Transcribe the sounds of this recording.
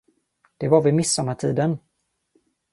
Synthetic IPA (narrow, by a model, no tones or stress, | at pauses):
d̪̥ɛvaɾvɪmɪsːɔmaʈ̪ʰiːd̪ən